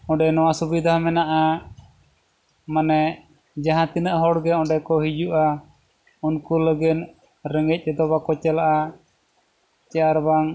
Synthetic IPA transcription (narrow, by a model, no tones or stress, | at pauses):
ɔ̃ɖɛnɔwasubid̪ʱahmɛnaʔa | manɛ | d͡ʒaɦãt̪inəʔɦɔɽɡɛɔ̃ɖɛkɔɦid͡ʒuʔa | unkuləɡɛn | ɾɛŋɡɛc̚ˀɛd̪ɔbakɔt͡ʃɛlaʔa | t͡ʃɛjaɾbaŋ